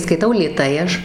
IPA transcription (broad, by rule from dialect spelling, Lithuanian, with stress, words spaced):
skɐɪˈtɐʊ lʲeːˈtɐɪ ˈɐʃ